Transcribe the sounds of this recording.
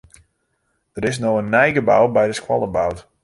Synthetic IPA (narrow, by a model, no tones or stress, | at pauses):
d̥əɾɪsnoːənːɛjɡəbawbɛjdəskwɔ̰lˠəbawt